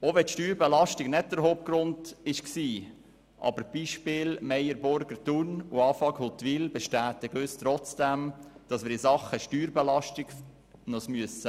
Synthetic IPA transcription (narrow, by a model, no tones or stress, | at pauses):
oʋɛtʃtyːɾbɛlɑʃtɪɡ̥nɛt̚d̥əɾɦoːp̚ɡ̥ɾʊndɪʃksiː | ʔɑ̰bəɾb̥iːʃpɪlmɛjəɾbʊɾɡəɾtunuɑːfɑɡhot̪ːʋilbɛʃtæːtɪɡøst̪ɾɔt͡sd̥æmd̥ɑsmɪːɾɪsɑχːəʃtyːɾbɛlɑʃtɪɡ̥ | nɔsmyəsə